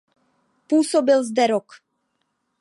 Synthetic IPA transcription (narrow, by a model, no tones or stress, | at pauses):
puːsɔbilzd̪ɛɾɔk